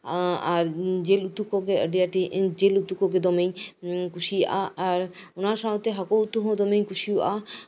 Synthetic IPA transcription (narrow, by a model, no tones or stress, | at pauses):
aɾd͡ʑelut̪ːukoɡeəɖijaʈid͡ʑelut̪ukoɡed̪ɔmejkuʃia̰aɾonaɾʃaɦot̪eɦakout̪ːuɦõd̪ɔmejkuʃiua